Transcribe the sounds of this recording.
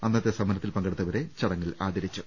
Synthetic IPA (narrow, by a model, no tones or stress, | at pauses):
ɐnːɐt̪ːesɐmɐnɐt̪ːilpɐŋɡeɽut̪ːɐʋɐɾe̞t͡ɕɐɽɐŋːɐɭaːd̪ɐɾit͡ɕːu